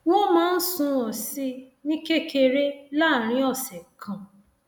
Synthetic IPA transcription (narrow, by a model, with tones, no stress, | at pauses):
wo˦mãː˦n̩˦sũ˧ɔ˨si˧nĩ˦ke˦ke˧ɾe˦la˦˨ɾ̃ĩ˨˧˦ɔ˦˨sɛ˨kʰã˨